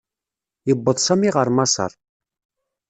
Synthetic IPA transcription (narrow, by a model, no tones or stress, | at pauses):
jəbːəðˤsæmiʁəɾˤmɑsˤə̰ɾˤ